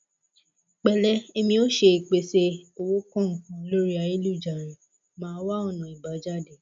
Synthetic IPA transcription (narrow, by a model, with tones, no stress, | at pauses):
k͡pɛ˨lɛ˦e˧mĩ˧˦o˦ʃe˧i˨k͡pe˨se˧o˧wo˦kɔ̃˦˨ŋ̩˨kũ˦lo˦ɾi˦a˧˨e˦lu˦˨d͡ʒa˨ɾ̃ĩ˨ | mãː˧˦wa˦ɔ˦˨nã˨i˨ba˨˦d͡ʒa˦˨de˨